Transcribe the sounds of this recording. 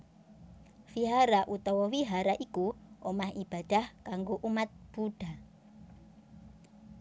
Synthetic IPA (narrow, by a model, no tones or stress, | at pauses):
fiɦaɾaʔut̪ɔwɔwiɦaɾaʔikuʔomahib̥a̤d̥a̤hkaŋɡoʔumat̪̚b̥uɖ̥a̤